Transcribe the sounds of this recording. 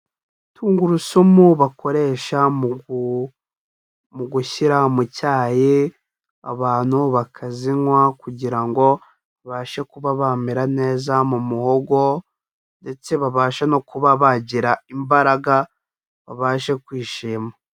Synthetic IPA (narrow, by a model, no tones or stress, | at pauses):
tʰuːŋɡuɾusomuβakʰo̞ɾe̞ːʃam | muɡuçiɾamucaːje | a̰βaːn̥huβakʰaziŋwakuɟiɾaŋɡo̞ | aβaːʃekuβaβamiɾane̞ːzamumuhoɡo̞ | nde̞t͡se̞βaβaːʃano̞kuβaβaɟiɾaimbaɾaɡa | βa̰βaːʃekwiːʃiːma